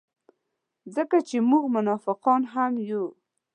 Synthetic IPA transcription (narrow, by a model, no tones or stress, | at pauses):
zəkat͡ʃemuɡmʊnɑfɪqɔnɦamju